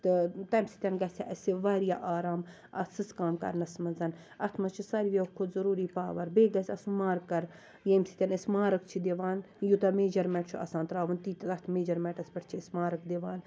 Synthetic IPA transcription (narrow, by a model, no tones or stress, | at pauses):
t̪ɨt̪ɐmsi̥t̪ʲɐnɡɐsʲa̰ʔɐsiʋaːɾijaːʔaːɾaːm | ɐ̰sɨskaːmkɐ̰ɾnɐsmɐzɐn | ɐt̪ʰmɐt͡ʃʰisaɾiʋʲɐkʰod̪zɐɾuːɾiːpaːʋɐɾbeːɡɐsʲɐsumaːɾkːɐɾ | jemsi̥t̪ʲɐnɐsʲmaːɾɐkt͡ʃʰid̪eʋaːn | jut̪ɐmeːd͡ʒɐɾmɛʈt͡ʃʰuɐ̰saːnt̪ɾaːʋunt̪iːt̪ɐɐt̪ʰmeːd͡ʒɐɾmɛːʈɐsʲpɐʈʰt͡ʃʰiɐsʲmaːɾɐkd̪eʋaːn